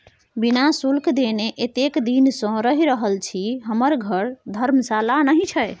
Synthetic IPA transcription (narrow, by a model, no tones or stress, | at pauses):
binasulkd̪eneʔet̪ekd̪insə̃ɾəɦiɾəɦəlt͡ʃʰiɦəməɾɡʱəɾd̪ʱəɾmsalanəɦit͡ʃʰəj